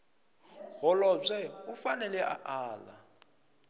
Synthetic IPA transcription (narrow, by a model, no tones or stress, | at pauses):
ɣɔlɔzʷɛufanɛlɛʔa̰ʔaːla̰